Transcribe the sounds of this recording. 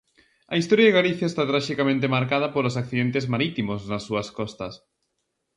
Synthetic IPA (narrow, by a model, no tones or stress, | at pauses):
ɐ̰ist̪ɔɾjaðeɣaliθjaest̪at̪ɾaʃikamẽnt̪emaɾkaðɐpolosakθiðent̪ezmaɾit̪imoznɐsːuɐskɔst̪ɐs